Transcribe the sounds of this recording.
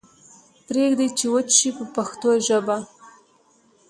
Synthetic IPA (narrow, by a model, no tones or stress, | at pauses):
pɾeɡd̪ajt͡ʃewət͡ʃʃipəpaxt̪oʒəba